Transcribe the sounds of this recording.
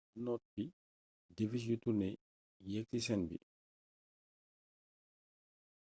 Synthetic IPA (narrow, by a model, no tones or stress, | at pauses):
nɔt̚bi | devisjutunɛ | jɛk̚tisɛnbḭ